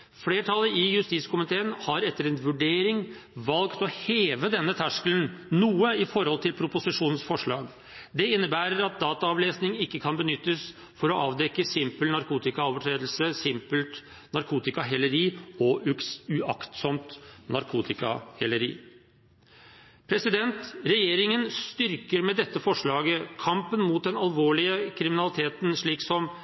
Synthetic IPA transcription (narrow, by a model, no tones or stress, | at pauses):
fleːʈʰɑlːəɪjʉst̪iːt̪skʰʊmɪt̪ʰeːənhɑɾɛt̪ːəɾɛnʋʉɖeːɾɪŋʋɑlkt̪ɔheːʋəd̪ɛnːət̪ʰæʂkəlnnuːəɪfɔɾhɔlt̪ʰɪlpʰɾʊpʊsɪʂuːnnsfɔʂɭɑːɡ | d̪ɛɪnːəbæːɾəɾɑt̪̚d̪ɑːt̪ɑɑʋleːsnɪŋɪkːəkʰɑnbənʏt̪ːəs | fɔɾɔʔɑːʋd̪ɛkːəsɪmpəlnɑɾkuːt̪ɪkɑoːʋəʈʰɾeːd̪l̩səsɪmpəlt̪ | nɑɾkʰuːt̪ɪkɑɦɛlːəɾiːɔʔʉʉɑkt̪sɔmt̪nɑɾkʰuːt̪ɪkɑ̰hɛlːəɾḭː | pʰɾɛsɪd̪ɛnt̪ɾɛjeːɾɪŋənst̪ʏɾkəɾmɛd̪ɛt̪ːəfɔʂɭɑːɡəkʰɑmpənmuːt̪̚d̪ɛnɑlʋoːɭɪəkʰɾɪmɪnɑlɪt̪ʰeːt̪nʂɭiːksɔm